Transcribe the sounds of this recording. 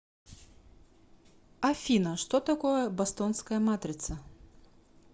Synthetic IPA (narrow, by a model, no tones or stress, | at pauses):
ɐfʲinɐʂt̪ot̪ɐkɔjɐbɐst̪ɔnskɐjɐmat̪ɾʲɪt̪sɐ